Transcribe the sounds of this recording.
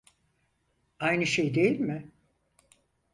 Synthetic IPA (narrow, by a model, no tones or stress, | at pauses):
ajnɯʃejd̪ejilʲmɪ